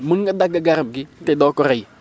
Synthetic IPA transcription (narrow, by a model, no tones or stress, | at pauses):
məŋɡadaɡaɡaɾəmɡɪtedɔkɔɾaji